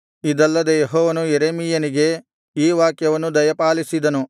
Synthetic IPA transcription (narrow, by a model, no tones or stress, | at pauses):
id̪ɐlːɐd̪ejeɦɔːʋɐnujeɾeːmiːjɐniɡe̞ | iːʋaːkjɐʋɐnːud̪ɐjɐpaːlisid̪ɐnu